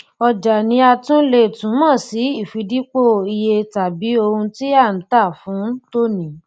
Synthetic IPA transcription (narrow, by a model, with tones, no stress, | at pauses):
ɔ˧d͡ʒa˨nĩ˧˦a˧tũ˦le˦˨tũ˨˦mãː˦˨si˨˦i˦˨fi˧di˦k͡po˦i˧je˧ta˨bi˨˦o˧hũ˧ti˦a˦˨n̩˨˦ta˦˨fũ˨˦to˦nĩ˨˦